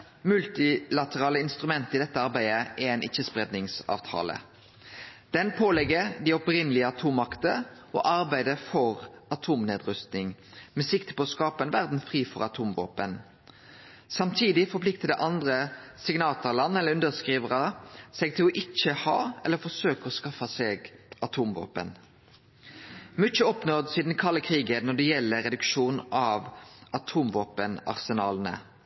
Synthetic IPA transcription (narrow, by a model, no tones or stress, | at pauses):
mʉlt̪ɪlɑt̪əʁɑːləɪnst̪ʁʉmɛnt̪əɪd̪ɛt̪ːəɑɾbæɪəʔɛæɪnʔɪçːəspʁeːd̪nɪŋsɑ̰ːʋt̪ʰɑ̰ːlə̰ | d̪̥ɛnpʰoːlɛɡːəɾd̪iɔpɾɪnːəlɪəɑt̪ʰuːmɑkt̪əʔɔ̰ːʔɑʁbæɪd̪əfɔʁɑt̪ʰuːmneːd̪ʁʉst̪nɪŋmɛːsɪkt̪əpʰɔːskɑːpɑɛnʋæʁd̪n̩fʁiːfɔʁɑt̪ʰuːmʋo̰ːpən | sɑmt̪ʰiːd̪ɪfɔplɪk̚t̪əd̪əʔɑnd̪ʁəsɪɡnɑːt̪ʊʁlɑnːɛlːəʉnd̪əʁskʁiːʋəʁəsɛɡ̚t̪ʰɪlɔʔɪt͡ʃːəhɑːɛ̰lːəfɔsøːkɔskɑfɑsɛːɡɑt̪ʰuːmʋo̰ːpə̰n | mʏt͡ʃːəɔpnɔd̪siːd̪n̩kʰɑlːəkʰʁiːɡənɔɖ̪ɛjɛlːəʁɛd̪ʉkʃuːnʔɑʋɑt̪ʰuːmʋoːpənɑ̰ʁsɛnɑːlnə̰